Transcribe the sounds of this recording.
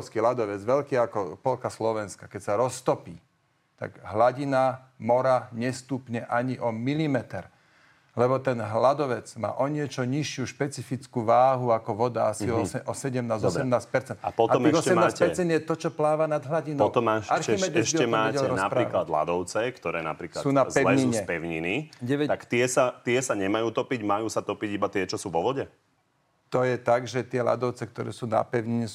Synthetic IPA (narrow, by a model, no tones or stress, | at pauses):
skiɦlad̪ɔʋɛd͡zʋɛʎkiːakɔpɔlkaslɔʋɛnskakɛcsaɾɔst̪ɔpḭː | t̪a̰ɡɦlaɟina | mɔɾaɲɛst̪upɲɛʔaɲiʔɔmilimɛt̪ɛɾ | lɛbɔt̪ɛnɦlad̪ɔʋɛd͡zma̰ːʔɔɲɪɛt͡ʃɔɲiʃɪuʃpɛt͡sifit͡skuːʋaːɦuakɔʋɔd̪aasisɛʔɔsɛɟɛmnaːzɔsɾɛmnaːspɛɾt͡sɛnt̪a̰pɔt̪ɔmɛɔɛmnaːsɛɾt͡sɛnd̪jɛt̪ɔt͡ʃɔplaːʋanad̪ɦlaɟinɔɔt̪ɔmaʃaɾimɛɛʃiɛmaːɛɟɛlɛɾɔnapɾaiːklad̪la̰d̪ɔʊt͡sɛkt̪ɔɾɛːna̰pɾiːkla̰suːnazpɛlɛɲiɲɛpɛʊɲiniɟɛʋɛt̪akt̪ɪɛsat̪ɪɛsaɲɛmajuːt̪ɔpiɟmajuːsat̪ɔpiɟibat̪ɪɛt͡ʃɔsuːʋɔʋɔɟɛ | t̪ɔjɛt̪aɡʒɛt̪ɪɛla̰d̪ɔʊt͡sɛk̚t̪ɔɾɛ̰ːsuːna̰pɛʊɲiɲɛ